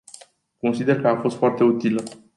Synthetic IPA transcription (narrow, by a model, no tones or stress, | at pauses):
ko̞nsid̪e̞rkəafo̞st̪foart̪e̞ut̪ilə